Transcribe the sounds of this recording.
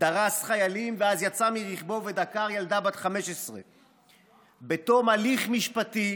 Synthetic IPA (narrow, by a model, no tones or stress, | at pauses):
d̪̥aʁasχajalimveazjat͡samiʁiχbo̞ve̞d̪akaʁjald̪abat̪χame̞ʃesʁe | betomaliχmiʃpat̪i